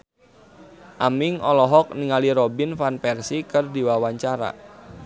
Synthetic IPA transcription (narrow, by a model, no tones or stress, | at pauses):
ʔamɪŋɔlɔɦɔk̚niŋaliɾobinfanpɛrsikɨrdiwawaɲt͡ʃaɾa̰